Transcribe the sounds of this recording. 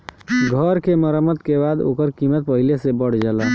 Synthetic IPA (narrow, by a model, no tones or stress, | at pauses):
ɡʱəɾkeməɾəmət̪kebad̪o̰kəɾkimət̪̚pəɦilesebəɽ̤d͡ʒɛla